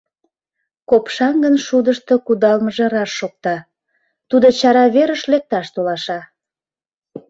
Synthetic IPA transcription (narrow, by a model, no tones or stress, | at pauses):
kopʃɑnɡənʃud̪əʃt̪okud̪ɑlməʒɑɾɑʃːok̚t̪ɑ | t̪ud̪ot͡ɕɑɾɑβeɾəʃlek̚t̪ɑʃt̪olɑʃɑ